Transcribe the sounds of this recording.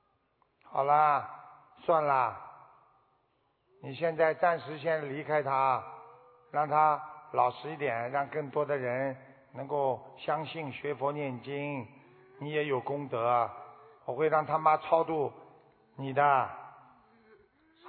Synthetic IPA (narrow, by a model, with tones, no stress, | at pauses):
xɑ˨˩ʊlə˦ | swa˥˩nlə˨ | ni˨˩ɕjɛ˥˧nt͡sa˥˩˧ɪt͡sa˥˩nʂɻ̩˧˥ɕ̬jɛ˥nli˧˥kʰa˥ɪt̪ʰa˥ | ɻɑ˥˩ŋt̪ʰa˥lɑ˨˩ʊʂɻ̩˧˥i˥˩t̪jɛ˨˩nɻɑ˥˧ŋkɤ˥˩ŋt̪wɔ˥d̪ə˨ɻə˧˥n | nɤ˧˥ŋko˥˩ʊɕjɑ˥ŋɕi˥˩nɕɥɛ˧˥fɔ˧˥njɛ˥˩nt͡ɕi˥ŋ | ni˧˥jɛ˧˥jo˨˩ʊkʊ˥ŋt̪ɤ˧˥wɔ˨˩xwe˥˧ɪɻɑ˥˩ŋt̪ʰa˥ma˥t͡sʰɑ˥ʊt̪u˥˩ | ni˨˩d̪ə˦